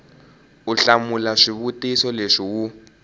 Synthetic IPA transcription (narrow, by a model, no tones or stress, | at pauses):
uɬamulaʂiβutisɔleʂiwu